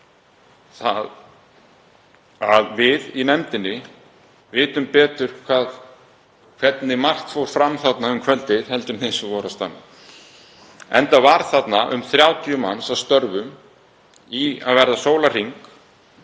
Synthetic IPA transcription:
θa̰ | aðvɪðinɛmt̪ɪnːɪ | vɪːt̪ʏmpɛːt̪ʏɾ̥kʰvaːð | kʰv̥ɛt̪nɪmar̥t̪fowɾ̥fɾamθat̪naʏmkʰvɛlt̪ɪðhɛl̪t̪ʏmθɪsʏvɔɾast̪a̰nːɪ | ɛ̰nt̪avaɾ̥θat̪naʔʏ̰mθɾjaːwt̪iʏma̰nːsavst̪œɾvʏm | ia̰ðvɛɾðasoːwlar̥iŋk

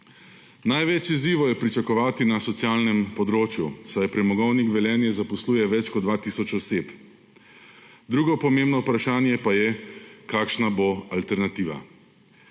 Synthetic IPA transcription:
najʋɛt͡ʃiziːʋɔjɛpɾit͡ʃakɔʋaːt̪inasɔt̪sjaːlnɛmpɔd̪ɾoːt͡ʃjusajpɾɛmɔɡɔwnikʋɛljɛːnjɛzapɔsluːjɛʋɛt͡ʃkɔd̪d̪ʋaːt̪iːsɔt͡ʃɔseːp | d̪ɾuːɡɔpɔmeːmbnɔupɾaʃaːnjɛpajɛkaːkʃnaboalt̪ɛɾnat̪iːʋa̰

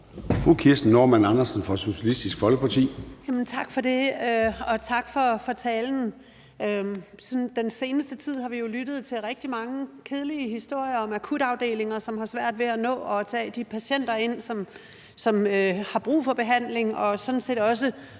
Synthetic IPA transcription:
fʁukʰiɐsn̩ːo̝mænɑ̈nɐsn̩fʁɑso̝ɕælisd̥isɡ̥fɒ̽lɡ̥əpʰɑ̈t͡sʰḭːjæmn̩t͡sʰɑ̈ɡ̥fɒ̽de̝ɒ̽t͡sʰɑ̈ɡ̥fɒ̽fɒ̽t͡sʰɛːln̩ | ø | sɔnd̥ense̝ːnəsd̥ət͡sʰið̞̰ˠhɑ̈ʋijo̝lyɾ̥ð̞̩ˠt͡sʰe̝lʁɛɡ̥̚d̥imɑ̈ŋəkʰe̝ð̞ˠliəhisd̥o̝ɐ̰jɐɒ̽mækʰuɾ̥ɑ̈ʊd̥e̝̰ːle̝ŋɐsɒ̽mɦɑ̈sʋæɐ̰d̥ʋe̝ænɔ̰̽ːɒ̽t͡sʰɛ̰ːd̥ipʰæɕen̰d̥ɐe̝n̰sɒ̽m | sɒ̽møhɑ̈b̥ʁṵːfɒ̽b̥e̝ɦæn̰le̝ŋɒ̽sɒ̽n̩se̝̰ːd̥ɒ̽s̬ə

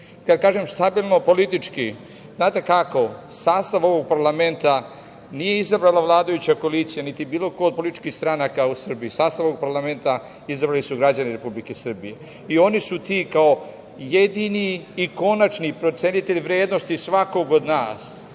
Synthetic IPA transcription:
kad̪kaːʒemst̪abiːlˠno̞po̞lit̪it͡ʃki | znaːt̪e̞kako̞saːst̪aʋo̞ʋo̞ɡ̚paɾlame̞nt̪a | nije̞izabɾaːlaʋlˠaːd̪ajut͡ɕako̞liːt̪sijanit̪ibiːlo̞kood̪̚polit̪i̥t͡ʃkiːhst̪ɾanakausr̩biisaːst̪aʋooɡ̚paɾlame̞nt̪a | izabɾaːlisuɡɾad͡ʑaniɾe̞publikesr̩bije | io̞nisut̪iːkao̞ | jed̪iniːko̞nat͡ʃnipɾo̞t̪senit̪e̞ʎʋɾe̞ːd̪no̞st̪isʋakoɡod̪naːs

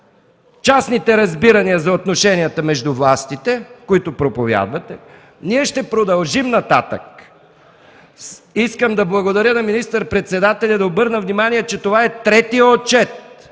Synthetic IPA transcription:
t͡ʃasnit̪ɛɾɐzbiɾɐniɐzɐot̪noʃɛnijət̪əmɛʒd̪ʊvlˠast̪it̪ɛkoit̪ʊpɾopovʲja̰d̪vɐt̪ɛ | niɛʃt̪ɛpɾod̪ɐlˠʒimnɐt̪at̪ə̰k̚ | iskəmd̪ɐblˠɐɡod̪ɐɾʲjənɐminist̪əɾpɾɛt̪sɛd̪at̪ɛlʲɐd̪ɐobɤɾnəvnimaniɛt͡ʃɛt̪ovaɛt̪ɾɛt̪ijəot͡ʃɛt̪

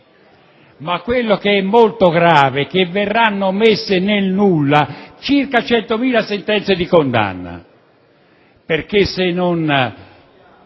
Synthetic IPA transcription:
makːwelːokeɛmːolt̪oɡɾaːvekevːerːanːomesːɪnelnulːat͡ʃirkat͡ʃɛnt̪omiːlasent̪ɛnt̪sed̪ikond̪a̰nːa̰ | perkesːɪnon

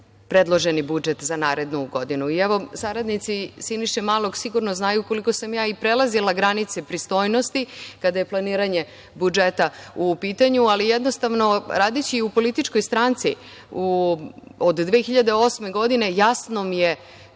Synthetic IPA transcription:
pɾed̪lˠo̞ʒenibud͡ʒet̪zanaːɾe̞d̪nuɡo̞d̪inuiɛʋo̞saɾad̪nit̪sisiniʃemaːlˠoɡsiɡuɾnoznaːjuko̞liko̞samjaːipɾelˠazilˠaɡɾanit̪sepɾist̪o̞ːjno̞st̪ikad̪aje̞plˠaniːɾaɲe̞ | bud͡ʒet̪aupiːt̪aɲualijed̪nost̪aʋno̞ɾaːd̪et͡ɕiupo̞lit̪it͡ʃko̞jst̪ɾant̪si | u | od̪d̪ʋeːxiʎad̪eo̞sme̞ɡo̞d̪ine̞jasnomije

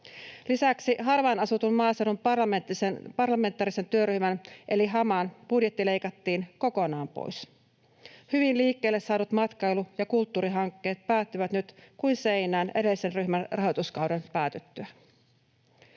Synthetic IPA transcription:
lisæksiɦɑrʋɑnɑsut̪unmɑːsenumɑmet̪ːisepɑrlɑme̞nt̪ːˑɑːɾise̞nt̪yøɾyhmænʔe̞liɦɑmɑnb̥udjet̪ːile̞jkɑt̪ːiːnko̞ko̞nɑːmpo̰js | hyʋinliːkːe̞ːlːesːɑːnut̪mɑt̪kɑjlujɑkult̪ːuːɾiɦɑŋkːe̞ːt̪̚pæːt̪ːyʋæt̪nyt̪kuinse̞inæːne̞̰ɾe̞lise̞nryhmænrɑɦot̪uskɑwdenpæːt̪et̪ːyæ

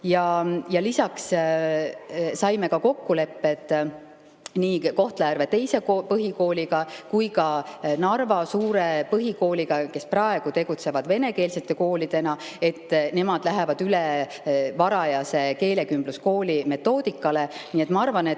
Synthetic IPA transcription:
jɑjɑlisɑks | sɑjme̞kɑko̞kːule̞pːe̞t̪ˑ | niːko̞ht̪lejærvet̪e̞jse̞kpɤɦiko̞ːliɡɑkujkɑnɑrvɑsuːɾe̞pɤɦiko̞ːliɡɑke̞sprɑe̞ɡ̥ut̪e̞ɡ̥ut̪se̞vɑd̪ve̞ne̞ke̞ːlse̞t̪ːˑe̞ko̞ːlid̪̥e̞nɑe̞t̪ːˑne̞mɑd̪̥læɦevɑd̪̥yle | vɑɾɑjɑse̞ke̞ːle̞kymb̥lusko̞ːlime̞t̪ːo̞ːd̪̥ikːˑɑle̞niːet̪mɑɑrvɑne

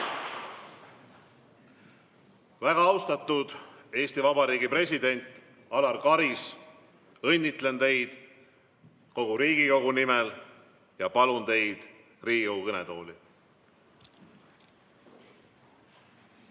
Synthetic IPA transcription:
væɡ̥ɑɑwst̪ɑt̪ːˑud̪̥ | e̞ːst̪ivɑbɑɾiːɡipre̞s̬ʲid̪̥e̞nʲt̪ˑ | ɑlɑrkɑɾis | ɤ̞nʲːit̪ˑle̞nt̪e̞jd̪̥ | ko̞ɡ̥uɾiːɡ̥iko̞ɡunimel | jɑpɑlunt̪e̞jd̪̥ | riːɡ̥ikowukɤnet̪o̞ːli

